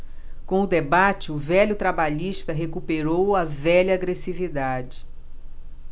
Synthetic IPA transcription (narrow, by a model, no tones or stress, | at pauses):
kõʊd̪ebat͡ʃɪʊvɛʎʊt̪ɾabaʎiʃt̪ɐɦekupeɾowɐvɛʎɐːɡɾesivid̪ad͡ʒɪ